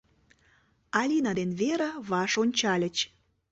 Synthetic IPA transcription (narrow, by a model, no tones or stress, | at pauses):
ɑlʲinɑd̪enβeɾə̆βɑʃonʲt͡ɕɑlʲət͡ɕ